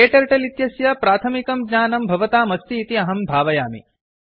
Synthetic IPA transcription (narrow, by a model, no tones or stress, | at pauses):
eːʈɐɾʈɐlit̪jɐsjɐpɾaːt̪ʰɐmikɐmɡɲaːnɐmbʱɐʋɐt̪aːmɐst̪iːt̪iɐɦɐmbʱaːʋɐjaːmḭ